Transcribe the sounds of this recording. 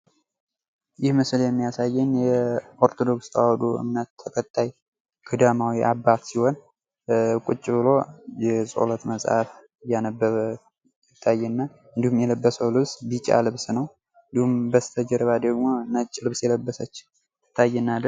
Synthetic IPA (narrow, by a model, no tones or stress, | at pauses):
jɪhmɨsljɛmːijasajːɨnjɛʔoɾt̪ʰo̞d̪o̞kst̪ʰa̰wɔd̪uɨ̰mnət̪ʰːəkʰʼət̪ʼːaj | kʰɨd̪amawiʔabːat̪siho̞n | kʼʊt͡ʃʼːɪβɨlo̞jɛsʼo̰lət̪məsʼhaf | janəbːəβ | ɪt̪ʰːajːɛnːa | ɨnd̪ihumjɛləbːəsəwlɨβsbit͡ʃʼa̰lɨβsnəw | ɨnd̪ihumbəst̪ʰəd͡ʒɛɾβad̪əɡmo̞nət͡ʃʼːlɨβsjɛləbːəsət͡ʃː | t̪ʰːajːɛnːalɨ